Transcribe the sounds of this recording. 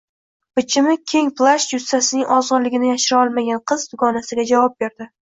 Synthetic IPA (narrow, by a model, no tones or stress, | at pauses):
pɪt͡ʃʰɪmɪkʲʰe̞ŋplˠaʃjʊsːasɪnɪŋʔɒzɒɾlɪɡʲɪnɪjaʃɪɾɪɒlˠmaɡʲanqʰɨzd̪ʊɡɒnasɪɡʲad͡ʒavɒp̚be̞ɾd̪ɪ